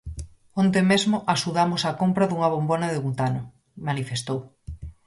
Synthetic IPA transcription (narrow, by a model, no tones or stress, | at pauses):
ont̪̬emezmʊʔaʃuðamʊsakompɾaðuŋaβ̞ombonaðeunt̪anʊ | manifest̪ow